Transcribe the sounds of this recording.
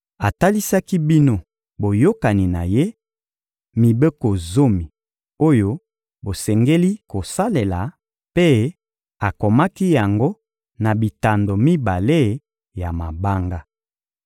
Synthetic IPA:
a˨ta˦li˦sa˦ki˦bi˦no˦ | bo˨jo˦ka˨ni˨na˨je˦ | mi˨be˦ko˨zo˦mi˨ | o˦jo˦ | bo˨sɛ˨ŋɡe˦li˦ko˨sa˦le˨la˨ | pe˦ | a˨ko˨ma˦ki˦ja˨ŋɡo˦ | na˨bi˨ta˨ndo˨mi˦ba˨le˦ | ja˨ma˨ba˦ŋɡa˦

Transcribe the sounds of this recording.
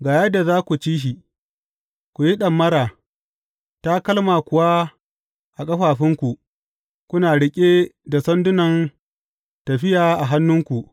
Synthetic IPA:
ɡaː˨jɐ˦da˨zaː˦kʷu˨t͡ʃiː˦ʃ̬i˨ | kʷu˨ji˦ɗɐ˨mːɐ˦ɾaː˨ | ta˦kɐ˦lmaː˨kʷʊ˨wa˦ | ʔa˨kʼɐ˦ɸaː˨ɸɪ˦ŋkʷu˨ʔ | kʷʊ˦naː˨ɽɪ˦kʲʼeː˦da˨sɐ˦ndʊ˦nɐ˨n | tɐ˨ɸɪ˦jaː˨ʔa˨ɦa˦nːʊ˦ŋkʷu˨ʔ

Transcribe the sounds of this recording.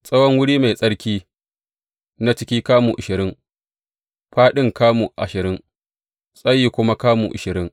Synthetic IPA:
sʼɐ˦wɔ˦ŋwʊ˦ɽiː˦ma˨jsʼɐ˦ɽkʲiː˦ | na˦t͡ʃɪ˦kʲiː˦kaː˦mu˨ʔa˨ʃɪ˨ɾɪ˦ŋ | ɸaː˦ɗɪ˦ŋkaː˦mu˨ʔa˨ʃɪ˨ɾɪ˦ŋ | sʼɐ˦jːiː˨kʷʊ˦ma˦kaː˦mṵ˨ʔɪ˨ʃɪ˨ɾɪ˦ŋ

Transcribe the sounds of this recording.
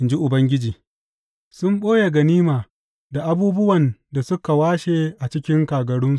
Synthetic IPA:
ɪ˨nd͡ʒi˦ʔʊ˨bɐ˦ŋɡʲɪ˦d͡ʒiː˨ | sʊ˦mɓoː˦ja˨ɡɐ˨niː˦maː˨ | da˨ʔa˦buː˦bʊ˦wɐ˨nda˨sʊ˦ka˨waː˦ʃeː˦˨ʔa˨t͡ʃɪ˦kʲɪ˦ŋkaː˨ɡɐ˨ɽʊ˦nsu˨

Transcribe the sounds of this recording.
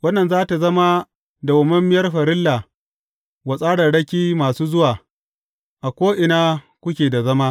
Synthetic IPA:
wɐ˦nːɐ˨nzaː˦ta˨zɐ˦ma˦ | da˨wɐ˨mɐ˦mːɪ˦jɐ˦rɸɐ˨ɾɪ˦lːa˨ | wɐ˨sʼaː˦ɽɐ˨ɽɐ˦kʲiː˦maː˨suː˦zʊ˦waː˨ | ʔa˨kʷoː˦ʔɪ˨naː˦ | kʷʊ˦kʲeː˨da˨zɐ˦maː˦

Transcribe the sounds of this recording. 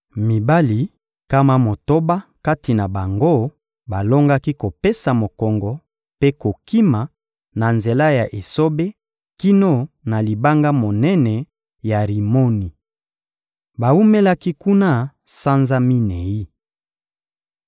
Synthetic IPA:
mi˨ba˦li˨ | ka˦ma˦mo˨to˦ba˦ka˦ti˨na˨ba˨ŋɡo˦˨ | ba˨lo˦ŋɡa˦ki˦ko˨pe˦sa˨mo˨kɔ˨ŋɡɔ˨ | pe˦ko˨ki˦ma˨ | na˨nze˨la˦ja˨ʔe˨so˦be˦ | ki˦no˦na˨li˨ba˦ŋɡa˦mo˨nɛ˦nɛ˨ | ja˨ʁi˨mo˦ni˨ | ba˨u˦me˦la˦ki˦ku˦na˦ | sa˦nza˦mi˦nɛ˨ji˦

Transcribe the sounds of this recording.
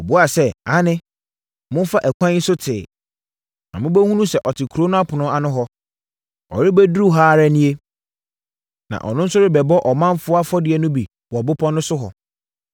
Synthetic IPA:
ɔ˨bʊ˦a˨sɛ˦a˦nɪ̃˦ | mʊ̃˦n˦fa˦ʔæ˨kʷʰã˦sʊ˦tʰɪː˨ | nã̰˨mʊ̃˦bɛ˦hũ˦nũ˦sɛ˦˨ʔɔ˨tʰɪ˨kʰo˦nʊ̃˦a˦pʰʊ˨nʊ̃˦a˨nʊ̃˦ɦɔ˦ | ɔ̰˨ɾɪ˦bæ˦dɾu˦˨ɦaː˦ɾa˦nĩ˦e˦ | nã̰˨ʔɔ̰˨nʊ̃˦n̩˦sʊ˦ɾɪ˦bɛ˨bɔ˦ʔɔ˨mã˦mfʊ˦a˦fɔ˦dɪ˨ɛ˨nʊ̃˦bi˨ | wɔ˨bʊ˦pʰɔ̃˦nʊ̃˦sʊ˦ɦɔ̰˨

